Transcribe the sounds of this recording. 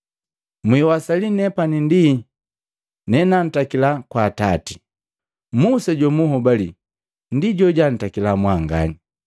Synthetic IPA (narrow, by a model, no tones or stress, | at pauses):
mwiwasalinɛpanindi | nɛnan̩takilakwatati̥ | musaɟɔmuɦɔbali | ndiɟɔɟan̩takilamwaŋɡa̰ni